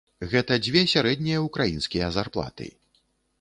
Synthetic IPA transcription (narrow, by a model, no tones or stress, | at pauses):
ɣɛt̪ɐd͡zʲvʲɛsʲaɾɛd̪ʲnʲijɐukɾajinskʲijɐzarplˠa̰t̪ɨ̰